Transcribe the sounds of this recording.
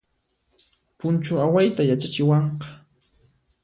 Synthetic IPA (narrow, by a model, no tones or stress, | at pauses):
pʊnt͡ʃʊawajt̪ajat͡ʃat͡ʃɪwɑɴqɑ̥